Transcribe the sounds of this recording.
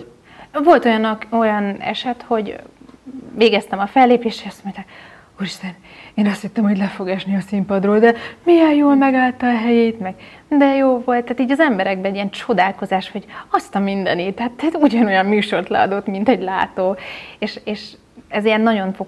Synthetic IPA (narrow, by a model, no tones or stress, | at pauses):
vo̞lt̪o̞jɒno̞jɒnɛ̰ʃɛt̪ho̞ɟ | veːɡɛst̪ɛmɒfɛlːeːpeːʃeʃɒst̪mo̞ɲt̪ak | uːriʃt̪ɛneːnɒst̪hit̪ːɛmho̞ɟlɛfo̞ɡɛʃniɒsimpɒd̪roːld̪ɛmijɛljoːlmɛɡaːlt̪ɒɦɛjeːt̪mɛɡ | d̪ɛjoːvo̞lt̪ːaːt̪iːɟɒzɛmbɛɾɛɡ̚bɛɛɟiɛnt͡ʃo̞d̪aːlko̞zaːʃho̞ɟɒst̪ɒmind̪ɛ̰nit̪ɛɦat̪ːɛuɟɒno̞jɒmːyːʃo̞rt̪lɛ̰ɒ̰d̪o̞t̪mint̪ɛɟlaːt̪oːeːʃeːʃ | ɛzijɛnːɒɟo̞ɱfo